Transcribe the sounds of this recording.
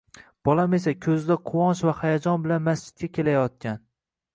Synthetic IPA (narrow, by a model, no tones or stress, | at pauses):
b̥ɒlˠamesakʲʰɵzd̪aqʰʊwɒnʃvahajad͡ʒɒnbɪlanmasd͡ʒɪd̪̚kʲakʲʰe̞lajɒt̪̚kʲan